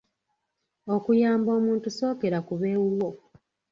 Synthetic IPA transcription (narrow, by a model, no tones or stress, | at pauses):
o̞kujaːmbo̞ːmuːntuso̞ːke̞ɾakuβe̞ːwuwo